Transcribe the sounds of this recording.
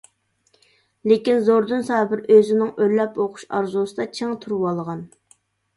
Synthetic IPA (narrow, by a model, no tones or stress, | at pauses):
lekʲinzoɾd̪ɨnsɑːbɪɾøzɪnɪŋølːɛpoqʰʊ̥ʃɑ̰ɾzusɨd̪ɑt͡ʃʰeŋt̪ʰuɾwɑlˠʁɑn